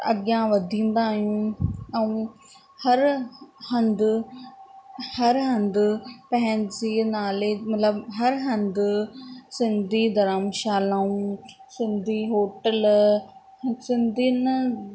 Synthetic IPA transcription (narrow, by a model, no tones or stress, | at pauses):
ɐ̰ɠjãʋɐd̪ʱĩːn̆d̪aːɦijũɛ̃ũ | hɐɾhɐ̃nd̪ʊ | hɐɾɦɐ̃nd̪ʊpɐ̃ɦɪ̃ɲd͡ʑeːnaːlemɐt̪ləbɦɐɾɦɐ̃nd̪ | sɪ̃nd̪ʱid̪ɐɾaːmʃaːlaːũsɪ̃nd̪ʱiɦoːʈəl | sɪ̃nd̪ʱin